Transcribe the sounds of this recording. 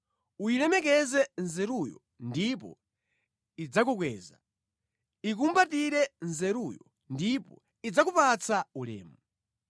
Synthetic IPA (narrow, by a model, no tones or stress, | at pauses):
uilɛmɛk̬ɛzɛnzɛɾujɔ | ndipɔ̰ | id͡zak̬uk̬wɛːza | ik̬umbatiɾɛnzɛɾujɔ | ndipɔ | id͡zakupat͡sʰaulɛ̰ːmu